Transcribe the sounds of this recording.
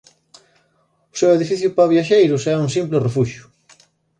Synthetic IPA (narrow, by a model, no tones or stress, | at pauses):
ʊseweðifiθjʊpaβjaʃejɾʊsɛuŋsimplɪrefuʃjʊ̥